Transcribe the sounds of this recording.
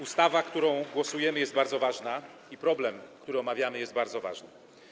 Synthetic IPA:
ust̪avakt̪uɾɔ̃w̃ɡwɔsujɛmɘjɛst̪̚baɾd̪zɔvaʐna | ipɾɔblɛmkt̪uɾɘɔmavʲjamɘjɛst̪baɾd̪zɔva̰ʐnɘ

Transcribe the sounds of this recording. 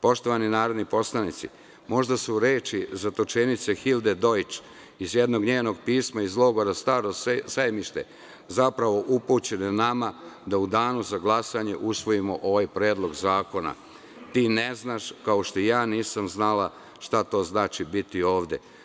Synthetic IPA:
po̞ʃt̪o̞ʋaninaːɾe̞d̪nipo̞slˠanit̪si | mo̞ʒd̪asuɾe̞ːt͡ʃizat̪ot͡ʃenit̪sexild̪ed̪o̞jit͡ʃ | izjed̪no̞ɡɲeːno̞ɡ̚piːsmaizlo̞ɡo̞ɾast̪aːɾosajmiʃt̪ḛ | zapɾaʋo̞ʔuput͡ɕe̞nenamad̪aud̪aːnuzaɡlˠasaɲe̞ʔusʋo̞jimo̞ʔo̞ʋajpɾe̞ːd̪lˠo̞ɡzaːko̞na̰ | t̪iːneznaʃkao̞ʃt̪oijaːniːsamznala | ʃt̪at̪o̞ːznaːt͡ʃibit̪io̞ːʋd̪e̞̰

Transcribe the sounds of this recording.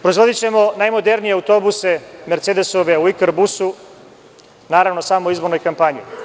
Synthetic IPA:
pɾo̞izʋo̞d̪it͡ɕe̞mo̞najmo̞d̪e̞ɾnijeawt̪o̞buse̞meɾt̪sed̪esoʋeuikeɾbusu | naːɾaʋno̞saːmoizboɾnojkampaɲḭ

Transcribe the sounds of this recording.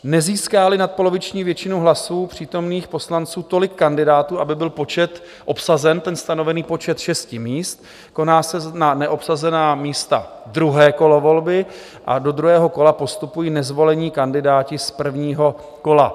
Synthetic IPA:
nɛziːskaːlɪnat̪̚po̞lo̞vɪt͡ʃɲiːvjɛt͡ʃɪnowɦlasuːpr̝̥iːt̪o̞mniːxpo̞slant͡suːt̪o̞lɪkːandɪdaːt̪uːʔabɪbɪlpo̞t͡ʃɛt̪ | ʔo̞psazɛnt̪ɛnst̪ano̞vɛniːpo̞t͡ʃɛt̪ʃɛscɪmiːst̪ | ko̞naːsɛnanɛʔo̞psazɛnaːmiːst̪a̰ | d̪ɾuɦɛːko̞lo̞vo̞lbɪ | ʔa̰do̞d̪ɾuɦɛːɦo̞ko̞lapo̞st̪upujiːnɛzvo̞lɛɲiːkandɪdaːcɪspr̩vɲiːɦo̞ | ko̞la

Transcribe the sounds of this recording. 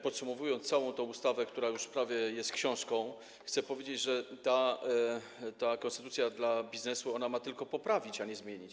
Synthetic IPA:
pɔt̪sumɔvujɔnt̪ssawɔ̃w̃t̪ɔ̃w̃ust̪avɛk̚t̪uɾajuʂfpɾavʲjɛjɛst̪kɕɔ̃w̃ʂkɔ̃w̃ | xt̪sɛpɔvʲjed͡ʑed͡ʑʐɛt̪a | t̪akɔnst̪ɛt̪ut̪sʲjad̪labʲiznɛsuɔnamat̪ɘlkɔpɔpɾavʲit͡ɕaɲɛzmʲjeɲit͡ɕ

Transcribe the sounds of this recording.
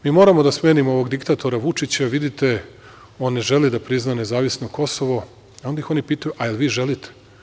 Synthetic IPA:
miːmo̞ɾamo̞d̪asmeːnimoo̞ʋo̞ɡd̪ikt̪at̪ʰo̞ɾaʋut͡ʃit͡ɕaʋid̪it̪e̞ | o̞ːnːeʒe̞lid̪apɾiznane̞zaːʋisnoko̞so̞ʋo̞ | ond̪aixo̞nipiːt̪ajuʔaelʋiːʒe̞lit̪ʰe̥

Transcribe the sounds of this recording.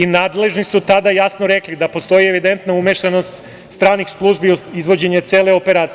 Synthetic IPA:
inaːd̪le̞ʒnisut̪ad̪ajasnoɾeklid̪apo̞st̪o̞jieʋid̪ent̪naumeʃano̞st̪ | st̪ɾaːnixslˠuʒbioizʋo̞d͡ʑe̞ɲet̪seːle̞opeɾaːt̪

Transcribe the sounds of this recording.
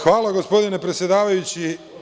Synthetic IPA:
xʋaːlaɡospo̞d̪ine̞pɾe̞t̪sjed̪aːʋajut͡ɕi

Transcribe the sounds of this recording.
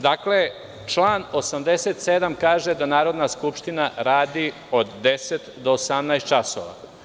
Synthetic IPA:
d̪akle̞ | t͡ʃlaːno̞samd̪eset̪sed̪amkaːʒed̪anaːɾo̞d̪naskupʃt̪inaɾaːd̪i | od̪ːe̞set̪d̪o̞ːsamnajst̪t͡ʃaso̰ʋa̰

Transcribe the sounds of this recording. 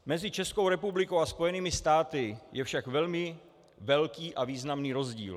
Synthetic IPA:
mɛzɪt͡ʃɛskowɾɛpublɪkowaspo̞jɛniːmɪst̪aːt̪ɪjɛfʃakvɛlmɪ | vɛlkiːʔaviːznamniːɾo̞zɟḭːl

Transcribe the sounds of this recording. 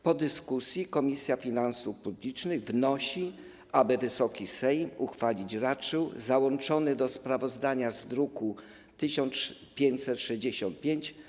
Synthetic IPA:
pɔd̪ɘskusʲjikɔmʲisʲjafʲinansufpublʲit͡ʂnɘɣvnɔɕi | ʔabɘvɘsɔkʲisɛjmuxfalʲit͡ɕɾat͡ʂɘwzawɔnt͡ʂɔnɘd̪ɔspɾavɔzd̪aɲazd̪ɾuku | t̪ɘɕɔnt̪spʲjeɲt͡ɕsɛt̪ʂɛʑd͡ʑeɕɔnt̪̚pʲjeɲt͡ɕ

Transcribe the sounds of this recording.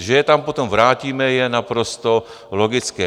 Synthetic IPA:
ʒɛjɛt̪ampot̪omvɾaːciːmɛjɛnapɾost̪o | loɡɪt͡skɛː

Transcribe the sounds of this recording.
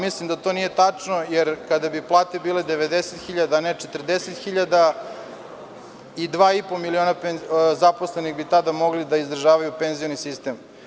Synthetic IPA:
mislimd̪at̪oːnijet̪at͡ʂno̞jeɾkad̪abiplˠaːt̪ebiːled̪eʋed̪eset̪xiʎad̪anet͡ʂet̪r̩d̪eset̪xiʎad̪a | id̪ʋaːipo̞milio̞ːnapenzaposleniɣbit̪ad̪amo̞ɡlid̪aizd̪ɾaʒaːʋajupenzijonisist̪em

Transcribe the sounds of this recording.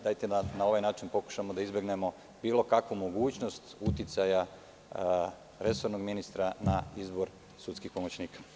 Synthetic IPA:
d̪aːjt̪eanao̞ʋajnaːt͡ʃinpo̞ku̥ʃamo̞d̪aizbjeɡne̞mo̞ | biːlˠo̞kakʋumo̞ɡuːt͡ɕno̞st̪ut̪it̪saja | ɾe̞soɾno̞ɡminist̪ɾanaizbo̞ɾ | sut̪skixpo̞mot͡ɕniːkḁ

